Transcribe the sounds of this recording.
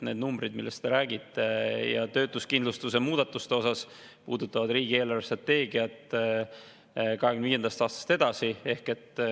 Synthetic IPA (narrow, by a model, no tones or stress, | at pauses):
ne̞ːd̪numbɾid̪milːe̞st̪t̪e̞ɾæːɡit̪ˑːe̞jɑ̰t̪ø̞ːt̪ːˑuskind̪lust̪use̞muːd̪̥ɑt̪ːˑust̪eo̞sɑs | pṵːd̪ut̪ːˑɑvɑd̪riːɡie̞ːlɑrest̪rɑt̪ːe̞ːɡiɑt̪ | kɑɦeɡymnd̪viːed̪̥ɑst̪ɑːst̪ɑ̥st̪e̞d̪̥ɑsie̞hke̞t̪ː